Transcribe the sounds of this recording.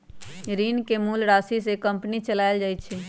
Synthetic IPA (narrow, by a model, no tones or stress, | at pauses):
ɾinkemulɾasisekə̃mpnit͡ʃəlaɪld͡ʒajt͡ʃʰɛ